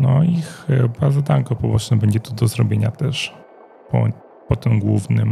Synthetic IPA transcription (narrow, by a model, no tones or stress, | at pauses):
nɔixbazad̪aŋkɔpɔbɔt͡ʂnɛbɛɲd͡ʑɛt̪ud̪ɔzɾɔbʲjeɲat̪ɛʂ | pɔ̰ | pɔt̪ɘmɡwuvnɘm